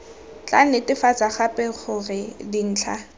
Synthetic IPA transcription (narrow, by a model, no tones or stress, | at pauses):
t͡ɬʼanɪtɪfat͡saχapʼɛχʊrɪdin̩ːt͡ɬʰa